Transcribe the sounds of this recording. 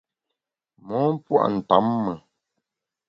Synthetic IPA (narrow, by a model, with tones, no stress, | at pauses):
mɔ˨˦m̩˦pwa̰˦˨ʔn̩˨ta̰˨˦mːə˨